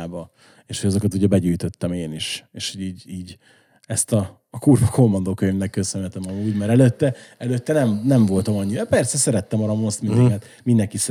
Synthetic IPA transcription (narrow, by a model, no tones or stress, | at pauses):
bɒ | eːʃhoɟɒzokɒt̪uɟɛbɛɟyːjt̪ø̞t̪ːɛmeːniʃeːʃhoɟiːɟiːɟ | ɛst̪ɒː | kurvɒkʰo̞mːɒnd̪oːkøɲvnɛkːøsnɛt̪ɛmɒmuːɟmɛɾɛløt̪ːɛɛløt̪ːɛnɛɱnɛɱvo̞lt̪ɒmɒɲːiɛpɛrsɛsɛɾɛt̪ːɛmɒɾɒmost̪mind̪ɛmɛt̪ | mind̪ɛŋkis